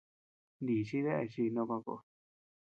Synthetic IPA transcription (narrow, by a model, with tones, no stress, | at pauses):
nd̪i˨t͡ʃi˦ðe˦ʔe˧t͡ʃi˧nõ˧kʷã˧ko̰˧˨˧